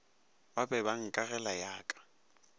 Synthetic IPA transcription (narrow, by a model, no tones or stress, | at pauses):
wabɛbaŋ̩kʼaɣɛlajaːkʼḁ